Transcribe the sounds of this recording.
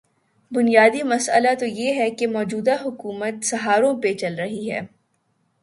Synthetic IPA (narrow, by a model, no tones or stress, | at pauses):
bʊnijaːd̪imɐsə̰lat̪ojeɦɛkemɔːd͡ʒuːd̪aɦʊkuːmət̪sɐɦaːɾõpet͡ʃɐlɾɐɦiɦɛ̰ː